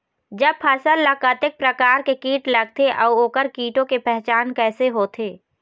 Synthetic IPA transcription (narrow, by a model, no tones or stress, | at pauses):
d͡ʒəb̚pʰɐsəlːɐkət̪ɪk̚pɾɐkaːɾkekiːʈlɐɡ̚t̪ʰeʔɔːoːkəɾkiːʈõkepɛɦt͡ʃaːnkɛːseɦoːt̪ʰeː